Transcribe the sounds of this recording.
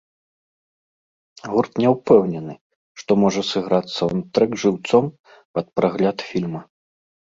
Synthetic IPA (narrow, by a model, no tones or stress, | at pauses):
ɣurt̪nʲɛwpɛwnʲɛnɨ | ʂt̪ɔmɔʐɐsɨɣɾat̪sːɐwant̪ɾɛɡʐɨwt̪sɔm | pɐt̪̚pɾaɣlʲat̪fʲilʲmɐ